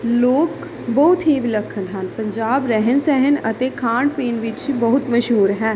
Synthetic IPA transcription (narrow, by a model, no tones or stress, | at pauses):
loːk | bəɦʊt̪ɦiʋɪləkʰːəʈɦənpə̃ɲd͡ʒaːbɾɛɦənsɛɦənə̰t̪eːkʰaːɳɖpeːnʋɪt͡ʃbəɦʊt̪məʃɦuːɾɦɛ̃ː